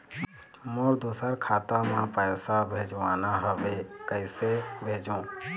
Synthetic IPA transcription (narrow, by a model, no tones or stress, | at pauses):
moɾd̪usəɾkʰat̪əmãpəjsabʱed͡ʒʋanaɦəʋekəɪsebʱed͡ʒũ